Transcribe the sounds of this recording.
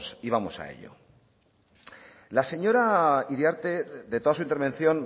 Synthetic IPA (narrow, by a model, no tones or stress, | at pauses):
siβ̞amo̞sa̰ḛʎo̞̰ | lase̞ɲo̞ɾaiɾjaɾt̪eðe̞t̪o̞ðasuint̪eɾβe̞n̟θjo̞n